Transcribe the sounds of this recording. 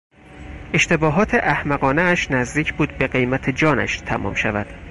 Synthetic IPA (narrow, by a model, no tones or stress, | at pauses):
e̞ʃt̪e̞bɒːɦɒːt̪ʰe̞ʔæhmæɣɒːneæʃnæzd̪iːcʰbuːd̪̚be̞ɢe̞jmæt̪ʰed͡ʒɒːnæ̰ʃt̪ʰæmʔɒ̰ːmʃævæd̪̥